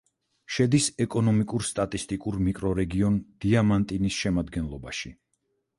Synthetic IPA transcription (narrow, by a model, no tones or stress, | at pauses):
ʃɛd̪isɛkʼɔnɔmikʼuɾst̪ʼat̪ʼist̪ʼikʼuɾmikʼɾɔɾɛɡiɔnd̪̥iamant̪ʼinisʃɛmad̪ɡɛnlˠɔbaʃi